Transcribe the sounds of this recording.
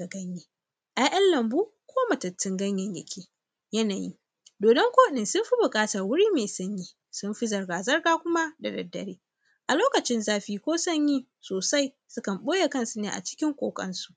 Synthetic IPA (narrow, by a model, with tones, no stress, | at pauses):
a˨ɡɐ˦ɲjeː˦˨ | ʔa˦ʔɐ˦nlɐ˨mbuː˦kʷoː˦mɐ˨tɐ˨tːɪ˦ŋɡɐ˦ɲjɐ˨ɲjɐ̰˨kʲʰeː˦ | jɐ˦naː˨jḭ˦ | doː˨dɐ˦ŋkʷoː˦ɗɪ˨nsʊ˦mɸi˦bʊ˨kʼaː˦tɐ˨rwʊ˦ɽiː˦meː˨sɐ˦ɲjiː˦ | sʊ˦mɸi˦zɐ˨rɡaː˨zɐ˦rɡaː˦kʷʊ˦ma˦da˨dɐ̰˨dːɐ̰˨ɽeː˦ | ʔa˨loː˦kɐ˨t͡ʃɪ˦nzaː˦ɸiː˦kʷoː˦sɐ˦˨ɲjiː˦ | soː˨sa˦j | sʊ˦kɐ˨mɓoː˦je˨kɐ˦nsu˨˦neː˨ʔa̰˨t͡ʃɪ̥˦kʲɪ˦ŋkʷʼo̰ː˨kʼɐ̰˦nsu̥˨ʔ